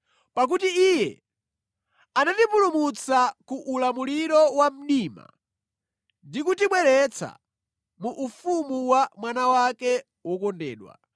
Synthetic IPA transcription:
pak̬utiijɛ | anatipulumut͡sakuʔːlamuliɾɔwam̩ɗiːma̰ | ndik̬utimwɛɾɛt͡sʰa̰ | muʔːfumuwamwanawakɛ | wɔkɔndɛ̰ːɗwa̰

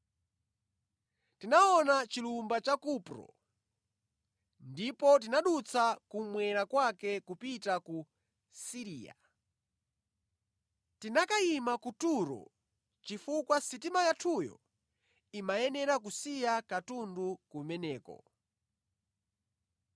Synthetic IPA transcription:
tinaɔnat͡ʃilumbat͡ʃakupɾɔ̰ | ndipɔt̬inaɗut͡sakumwɛɾakwakɛkupitaku | siɾiːa̰ | tinakaimakutuɾɔ̰ | t͡ʃifukwasit̬imajatʰujɔ̰ | imajɛnɛɾakusijakatundukumɛnɛːkɔ̰

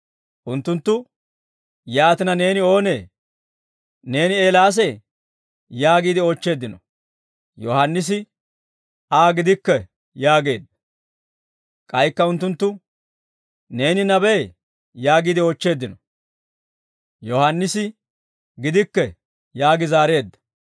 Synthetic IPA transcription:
ʔʊnt̪ːʊnt̪ːʊ | jaːt̪ɪnɐne̞ːnɪo̞ːne̞ː | ne̞ːnɪeːlaːs̬ɛ | jaːɡiːd̪ɪo̞ːt͡ʃːe̞ːd̪ːɪnɔ | jɔhɐnːɪs̬ɪ | aːɡɪd̪ɪkːɛ | jaːɡe̞ːd̪ːɐ | kʼɐjkːɐʊnt̪ːʊnt̪ːʊ | ne̞ːnɪnɐbeː | jaːɡiːd̪ɪoːt͡ʃːe̞ːd̪ːɪnɔ | jɔhɐnːɪsɪ | ɡɪd̪ɪkːɛ | jaːɡɪzaːɾe̞ːd̪ːɐ̥

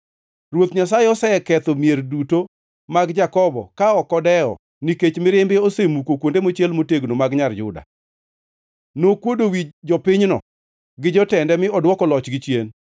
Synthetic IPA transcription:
rwot̪ɲasajeɔsɛɛkɛt̪omjerduto | maɡd͡ʒakɔbɔ̰kaɔkɔdɛɔ̰ | niket͡ʃmɪɾɪmbɪosemukokwondemot͡ʃjɛlmoteɡnomaɡɲard͡ʒʊda̰ | nokwodowid͡ʒɔpɪɲnɔ̰ | ɡɪd͡ʒɔtɛndɛmɪɔdwɔkɔlɔt͡ʃɡɪt͡ʃjen

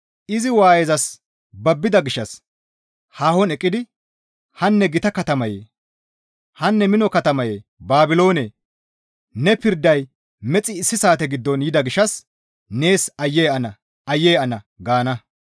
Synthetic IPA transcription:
ʔɪzɪwaːjɛzɐs | bɐbːɪd̪ɐɡɪʃːɐs | haːhɔnɛkʼːɪd̪ɪ | hɐnːɛɡɪt̪ɐkɐt̪ɐmɐjḛ | hɐnːɛmɪnɔkɐt̪ɐmɐjebaːbɪlo̞ːne | nɛpɪɾd̪ːɐj | mɛt͡sʼːɪːsːɪsaːt̪ɛɡɪd̪ːɔnjɪd̪ɐɡɪʃɐs | ne̞ːsɐjːejɐnɐ | ɐjːejɐnɐ | ɡaːnɐ

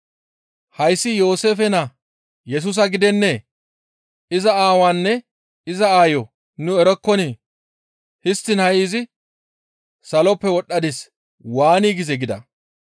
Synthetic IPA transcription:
hɐjsːɪjo̞ːse̞ːfɛnɐ | jɛs̬us̬ɐɡɪd̪ɛnːe | ɪzɐaːwanːɛ | ɪzɐaːjɔ | nʊɛɾɔkːɔni | hɪst̪ːɪnhɐʔiːzɪ | sɐlɔpːɛwɔɗːɐd̪ɪs | waːniːɡɪzɛɡɪd̪ɐ̰

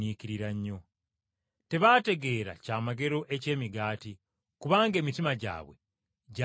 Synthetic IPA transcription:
iːciɾiɾaɲːo̞ | te̞βaːte̞ɡe̞ːɾa̰caːmaɡe̞ɾo̞ʔe̞ce̞ːmiɡaːti | kuβaːŋɡe̞ːmitimaɟa̰ːβwe̞̰ | ɟa

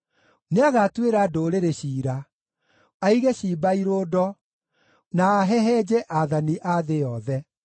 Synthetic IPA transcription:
neaɣaːtweɾadoɾeɾeɕiːɾa | aiɣɛɕiːbaiɾoːdɔ | naːɦɛɦɛd͡ʑɛʔaðaniʔaðejɔðɛ

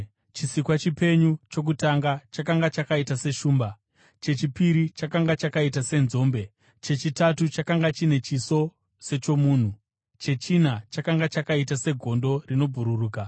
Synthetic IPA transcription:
t͡ʃisikwat͡ʃipe̞ɲut͡ʃo̞k̬utaŋɡat͡ʃakaŋɡat͡ʃakaitase̞ʃuːmba | t͡ʃe̞t͡ʃipiɾit͡ʃakaŋɡat͡ʃakaitase̞nzo̞ːmbe̞ | t͡ʃe̞t͡ʃitatut͡ʃakaŋɡat͡ʃine̞t͡ʃiso̞ | se̞t͡ʃo̞muːn̤u | t͡ʃe̞t͡ʃin̤at͡ʃakaŋɡat͡ʃakaitase̞ɡʱo̞ndo̞rino̞bʱuɾuruːka

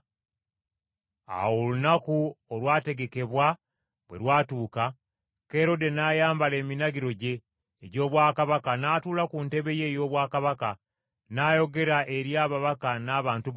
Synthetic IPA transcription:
a̰wolunakuolwaːte̞ɡe̞ke̞βwa | βwe̞lwaːtuːka | keɾo̞de̞naːjaːmbale̞ːminaɡiɾo̞ɟe̞ː | ɟo̞ːβwaːkaβakanaːtuːlakunte̞βe̞je̞ːjo̞ːβwaːkaβaka | naːjo̞ɡe̞ɾaʔe̞ɾjaːβaβakanaːβaːntu

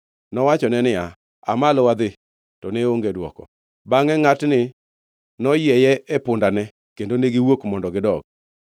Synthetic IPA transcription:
nɔwat͡ʃɔnɛnɪa | a̰malɔwad̪ɪ | tɔneoŋɡedwɔ̰kɔ̰ | baŋɛŋatnɪ | nɔjɛjɛʔepʊndanɛ | kendoneɡɪwokmɔndɔɡɪdɔɡ̚

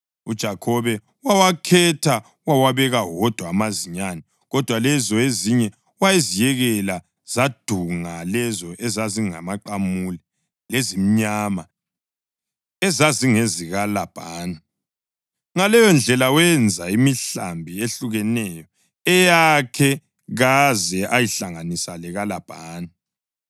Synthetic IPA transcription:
ud̥ʒ̥ʱakʰɔβɛ | wawakʰɛtʰa | wawaβɛɣawɔd̥ʱwaːmaziɲanɛ | ɣɔd̥ʱwalɛzɔeziɲɛ | wajizijɛɣɛla | z̥ad̥ʱuŋalɛzɔʔɛzaziŋa̰maǃamulɛ | lezim̩ɲama | ɛzaziŋeziɣalab̥ʱaːna | ŋalɛjɔnd͡ɮʱɛlawɛnd͡zʱaimiɬa̰mbʱieɬuɣɛnɛjɔ | ɛjakʰɛ | ɣazɛʔajiɬaŋanisalɛɣalab̥ʱaːna

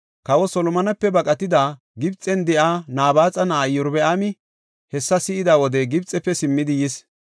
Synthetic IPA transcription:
kɐwɔsɔlɔmɐnɐpːɛbɐkʼɐt̪ɪd̪aː | ɡɪbt͡sʼːɛnd̪ɛʔaːnaːbaːt͡sʼɐnaːjːɔɾbɛʔaːmɪ | hɛsːɐsɪɪd̪aːwɔd̪ɛɡɪbt͡sʼːɛpːɛsɪmːɪd̪ɪjɪs

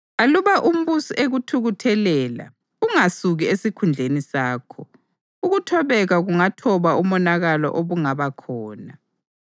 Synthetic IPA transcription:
aluβaʔum̩βusiʔeɣutʰuɣutʰɛlɛːla̰ | uŋasuɣiesikʰund͡ɮʱenisaːkʰɔ | uɣutʰɔβɛɣaɣuŋatʰɔβaumɔnaɣalɔ̰ʔoβuŋaβakʰɔːna

